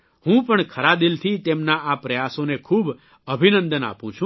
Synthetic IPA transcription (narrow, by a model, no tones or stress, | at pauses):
hũpəɳkʰəɾad̪ilt̪ʰit̪emnaapɾəjasonekʰub | əbʱinə̃nd̪əna̰pũt͡ʃʰũ